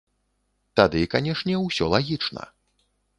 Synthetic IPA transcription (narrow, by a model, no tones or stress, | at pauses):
t̪ad̪ɨkanʲɛʂnʲɛwsʲɔlˠaɣʲit͡ʂnɐ̰